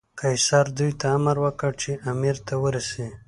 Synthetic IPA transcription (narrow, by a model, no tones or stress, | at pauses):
kʰajsɑɾd̪ujt̪aamaɾwəkəɽt͡ʃeʔamiɾt̪ʰawəɾase